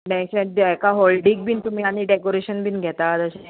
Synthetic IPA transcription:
bɛ̃sɛ̃ekaɦɔlɖiɡ̚bʱiːnt̪um̤iːaɽ̃iɖekoɾeɕənbʱiːnɡʱɛt̪at̪əɕe

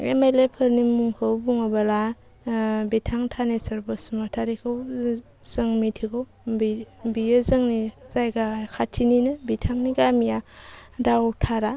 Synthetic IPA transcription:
ḛmajlepʰɯɾnimuŋhʰɯwbuŋabala | bitʰaŋtʰanesaɾbasumatʰaɾikʰɯw | z̥ɯŋmitʰikʰɯw | bibijɯzɯŋnizajɡakʰatʰininɯbitʰaŋniɡamijadawtʰaɾa

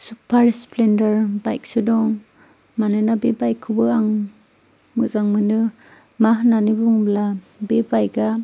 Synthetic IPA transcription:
supʰaɾisplendaɾbajk̚sɯdɔŋ | manɯnabebajkʰɯbɯaŋ | mɯzaŋmɯnɯ | mahnanibuŋbla | bebajɡa

